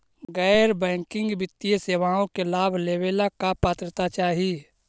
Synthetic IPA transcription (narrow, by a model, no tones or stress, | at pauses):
ɡəːɪɾbɛ̃ːŋkɪ̃ŋɡbɪt̪ːijeseːʋaːõkelaːbʱleːʋelakapaːt̪ɾət̪at͡ʃaːɦi